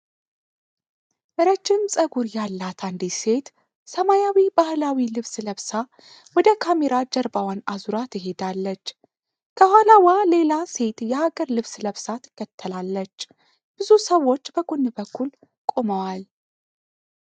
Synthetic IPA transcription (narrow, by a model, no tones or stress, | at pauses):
ʔɨɾət͡ʃːɪmsʼəɡuɾjalːat̪ʰand̪ise̞t̪ | səmajawibahlawilɨβsləβsa | wɔd̪əkʰame̞ɾad͡ʒəɾbawanazuɾat̪ʰɨɦe̞d̪alːət͡ʃː | kʰəhʷwalawale̞lase̞t̪jɛhaɡəɾlɨβsləβsat̪ʰɨ̥kʰːət̪ʰːəlalːət͡ʃː | b̥ɨzusəwːo̞t͡ʃːbəɡunːɨbəkːul | kʼo̞məwal